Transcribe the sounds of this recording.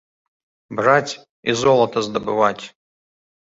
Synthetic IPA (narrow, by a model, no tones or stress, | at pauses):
bratʲ | izolˠɐt̪ʰɐzd̪ɐbɨvatʲ